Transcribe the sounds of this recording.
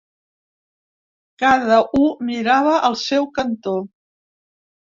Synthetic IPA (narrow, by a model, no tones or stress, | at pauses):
kaðəʔumiɾaβəʔəlˠsɛwkənt̪o